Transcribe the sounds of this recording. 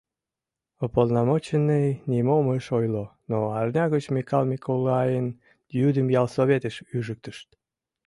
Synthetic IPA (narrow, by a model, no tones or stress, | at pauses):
opolˠnɑmot͡ɕənːənʲimoməʃojlonoɑrnʲɑɣət͡ɕmʲikɑlmʲikʰolˠɑjən | jyd̪əmjɑlˠsoβet̪əʃyʒək̚t̪əʃt̪